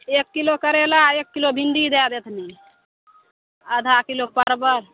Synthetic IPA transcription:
eːkːilokəɾelaeːkːilobʱinɖ̪id̪ed̪et̪ʰni | əd̪ʱakilopəɾbəɾ

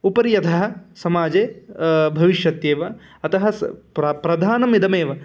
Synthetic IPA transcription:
upɐɾjɐt̪ʰɐɦɐ̆sɐmaːd͡ʒeːbʱɐʋiʃjɐt̪jeːʋɐ | ɐt̪ɐɦɐɾɐpɾɐd̪ʱaːnɐmid̪ɐmeːʋɐ

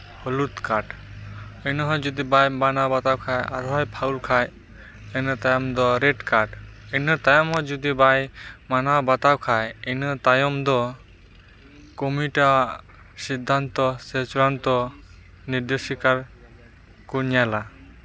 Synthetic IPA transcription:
hɔlut̪kaɾʈ | ejnɔɦɔjd͡ʒud̪ibajmanawbat̪awkʰajaɾɦɔjpʰawlkʰaj | ejnɔt̪ajɔmd̪ɔɾeʈkaɾʈɛnɔɾt̪ajɔmɦɔjd͡ʒud̪ibajmanawbat̪awkʰajɛnɔt̪ajɔmd̪ɔ | kɔmiʈa | sid̪ʱːant̪ɔset͡ʃɾant̪ɔ | niɾd̪esikaɾ | kuɲjala

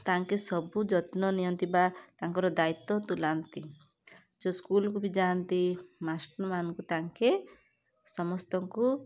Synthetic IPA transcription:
t̪aŋkesɔbud͡ʒɔt̪nɔnijɔnt̪ibat̪aŋkɔɾɔd̪ait̪ːɔt̪ulant̪i | d͡ʒoskulɔkubid͡ʒant̪imasʈɔɾmanɔŋkut̪aŋke | sɔmɔst̪ɔŋku

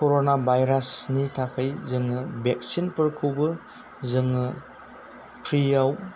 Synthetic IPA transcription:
koɾonabʱajɾasnitʰakʰajzɯŋɯbek̚sinpɯɾkʰɯwbɯ | zɯŋɯ | pʰɾijaw

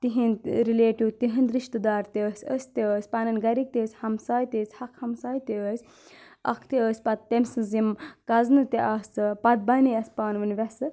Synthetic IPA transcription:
t̪iɦint̪ɾileːʈiwt̪iɦind̪ɾiʃt̪ɨd̪aːɾt̪eəsʲəsʲt̪iəsʲpanɐnɡɐɾik̚t̪ʲeːsʲhɐmsaːjt̪ʲesʲhɐkʰhɐmsaːjt̪iəsʲ | ɐ̰kʰt̪iəsʲpɐt̪ːemsɨzimkɐznɨt̪iʔɐst͡sɨpɐt̪̚bɐnijɐsʲpaːnʋɨnʋʲɐsɨ

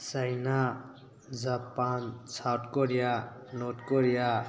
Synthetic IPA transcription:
sajna | d͡zapansʰaʈkoɾijanotkoɾija

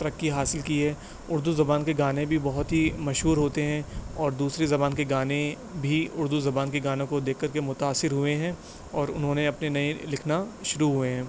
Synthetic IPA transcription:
t̪ɐɾɐkːiɦaːsɪlkiɦɛː | ʊɾd̪uzɐbaːnkeɡaːnẽbʱibɐɦʊt̪ɦimɐʃɦuːɾɦoːt̪eɦɛ̃ɔːɾd̪uːsɾezɐbaːnkeɡaːne | bʱiʊɾd̪uzɐbaːnkeɡaːnẽkod̪eːkʰːɐɾkemʊt̪aːsːɪɾɦʊeɦɛ̃ː | ɔːɾʊ̰nɦõneɐpnenɐelɪkʰnaʃʊɾuɦueɦɛ̃ː

